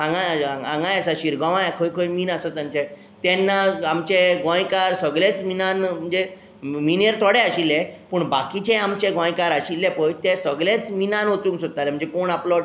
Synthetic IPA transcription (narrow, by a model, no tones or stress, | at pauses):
ãŋɡããŋɡãjasaɕiɾɡɔ̃ʋãjkʰəjkʰəjmiːnasət̪ãɲt͡ɕɛ̃ | t̪ɛ̃nːaamt͡ɕeɡɔ̃jkaɾsəɡɭet͡sminanm̤əɳd͡ze | minjəɾt̪ʰɔɽɛaɕilːɛ̃pəɳbakit͡ɕɛ̃amt͡ɕẽɡɔ̃jkaɾaɕilːɛpəjt̪ɛsəɡɭet͡sminãnɦot̪ũːŋksot̪alɛm̤əɳnd͡zekoɳaplɔ